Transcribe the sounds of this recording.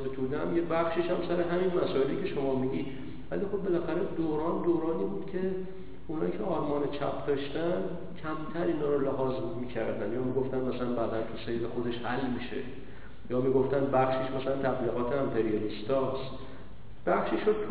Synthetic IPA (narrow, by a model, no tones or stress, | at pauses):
set̪ʰud̪eæ̰mjebæxʃeʃæmsæɾeɦæmiːnmæsɒːe̞liːcʰe̞ʃomɒːmiɟiːd̪ | væ̰lixo̞bːe̞læxæɾed̪oːɾɒːnd̪oːɾɒːniːbuːd̪̥cʰe̞ | unhɒ̰icʰeɒːɾmɒːnet͡ʃʰæ̰pʰd̪ɒːʃt̪æn | cʲʰæmt̪ʰæɾiːnɒːɾoleɦɒːzmiːcʰæɾd̪ænd̪jɒːmiɡoft̪ænmæsælænbæːd̪ænt̪ʰusejlexo̞d̪e̞ʃhælmiːʃe̞̰ | jɒːmiːɡo̞ft̪ænd̪̚bæxʃiʃmæsælænt̪ʰæbliːɣɒːt̪ʰeæmpʰeɾijoɾist̪ɒːst̪ | b̥æxʃiʃot̪ʰ